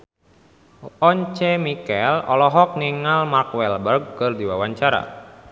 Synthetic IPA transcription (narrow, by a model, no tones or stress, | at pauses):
ɔɲt͡ʃɛmikɛlɔ̰lɔɦɔk̚niŋalmarkwɛlbərɡ̚kɨrdiwawaɲt͡ʃaɾa̰